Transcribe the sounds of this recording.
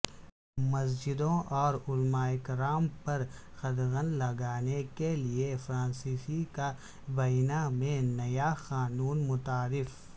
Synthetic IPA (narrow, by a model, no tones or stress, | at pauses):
mɐsd͡ʒɪd̪õʔɔːɾʊlmaːɪkɾaːmpɐɾ | xɐd̪ɣə̃nlɐɡaːnekeliefɾãːnsiːsika | bɐnamẽnɐjaxaːnuːnmʊt̪aːɾɪf